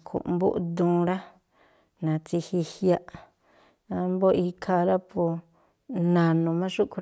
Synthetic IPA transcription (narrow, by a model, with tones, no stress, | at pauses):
kʰṵ˨ʔmbṵ˦ʔd̪ũː˦˧ɾa˦ | nã˨t͡si˧hi˧hja˧ʔ | ã˧mbo˦i˧kʰa˧ɾa˦po˧ | nã˧nũ˨˧mã˦ʂu˦ku˧ɾ